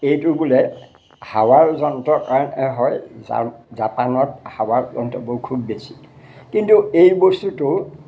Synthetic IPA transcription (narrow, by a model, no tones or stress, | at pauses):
ejtʊbulɛ | hawaɹzɔnɔtɔkaɹɔnɛɦɔjz̰zapanɔt̚hawaɹzɔntɔbokʰubːesi̥ | kintuejbostutʊ